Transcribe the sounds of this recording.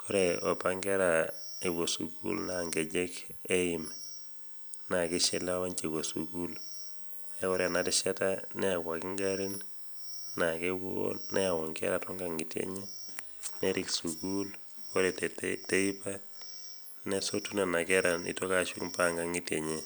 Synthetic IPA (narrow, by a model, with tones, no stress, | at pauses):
kʰɔ˦ɾɛɔ˨paŋɡɛ˦ɾae˨wo˨sṵkṵ˦lnaŋɡɛ˨d͡ʒɛ˦ke˦ɪ˨m | na˨ke˦ʃɛ˦la˦wa˦ɲt͡ʃe˨wo˨sṵ˨ku˦l | a˨˦kɔ˦ɾɛ˨na˦tɪ˦ʃɛ˦ta˦nɛ˦a˨kwa˨kɪ˦ŋɡaɾi˦n | na˨ke˦w̰nɛa˨wɔ˨ŋɡɛ̰˦ɾa˨tɔ˦ŋɡa˨ŋi˨tjḛ˦ɲe˦ | nɛ˦ɾʔiksu˨kul | kɔ˦ɾɛ˨tte˦i˦pa˦ | ne˦so˦tu˦ne˨na˨kɛ˦ɾa˨nḭ˦tɔ˦kaʃu˦kpa˦ŋɡa˦ŋi˦tje˨ɲe˦